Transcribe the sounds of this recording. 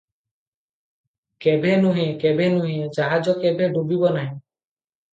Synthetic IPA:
kebʱenũɦẽkebʱenũɦẽd͡ʒaɦad͡ʒɔkebeɖubibɔnaɦĩ

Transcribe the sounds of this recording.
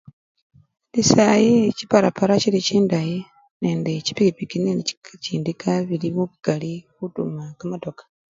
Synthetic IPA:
lisajicipaɾapaɾaciliciːndaji | neːndeci̥piɾipikinenici̥kaciːndikʰaβiliβuβuɡ̥alikutṵmakamatokḁ

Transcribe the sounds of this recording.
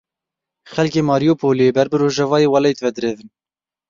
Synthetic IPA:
xɛlkʲeːmɑːɾijopʰoːlebɛɾbɨɾoːʒɛvɑːjeːwɑlejt̪vɛd̪ɨɾeːvɨn

